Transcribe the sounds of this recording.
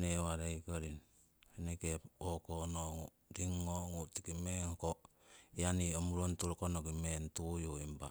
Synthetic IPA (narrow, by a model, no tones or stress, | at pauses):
newaɾejkaɾin | henekepokonoŋu | ɾiŋːoŋutikimeŋkoijaniomuɾontuɾkonoɡimentujoimba